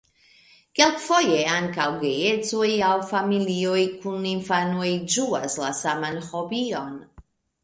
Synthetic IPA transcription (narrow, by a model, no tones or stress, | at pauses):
kelkfo̞je̞aŋkawɡe̞je̞t͡sojawfamilio̞jkuninfano̞jd͡ʒuaslasamanho̞bio̞n